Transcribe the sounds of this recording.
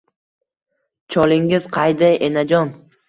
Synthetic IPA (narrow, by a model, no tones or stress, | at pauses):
t͡ʃʰɒlɪŋɪz̥qʰɑjd̪ajʔenad͡ʒɒn